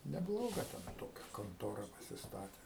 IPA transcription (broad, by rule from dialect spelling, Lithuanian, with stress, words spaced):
nʲɛˈblˠoːɡɐ tʲɛn ˈtoːkʲɛ koːnˈtoːrɐ pɐsʲɪsˈtɑːtʲeː